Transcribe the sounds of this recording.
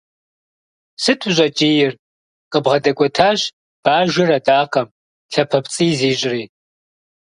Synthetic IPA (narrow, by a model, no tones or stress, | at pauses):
sɨtʰuʑʷʼɐt͡ʃʼijɪr | qʼəbʁɐdɐkʷʼɔtʰaːɕ | b̥aːʒɪrɐtʼaːqɐm | ɬɐpʰɐpt͡sʼiːziːɕʼriː